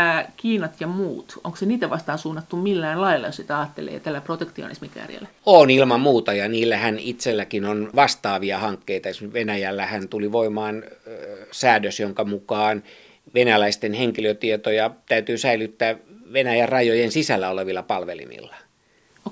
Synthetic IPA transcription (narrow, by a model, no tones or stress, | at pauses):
æːkiːnɑt̪jɑmuːt̪o̰ŋkoseniːt̪æʋɑst̪ɑːnsuːnːɑt̪ːumilːæːnlɑilːɑjosit̪æɑːt̪ːḛlḛːt̪ælːæprot̪ekt̪io̰nḭsmikæ̰rjæ̰lːæoːnilmɑmmuːt̪ɑjɑniːlːæhænit̪selːækinonʋɑst̪ɑːʋiɑhɑŋkːeit̪ɑesmyʋenæjælːæhænt̪uliʋoimɑːn | sæːdøsjoŋkɑmukɑːn | ʋenælæist̪enheŋkiløt̪iet̪ojɑt̪æyt̪yːsæilyt̪ːæːʋenæjærrɑjojensisælːæoleʋilːɑpɑlʋelḭmḭlːɑ̥ | o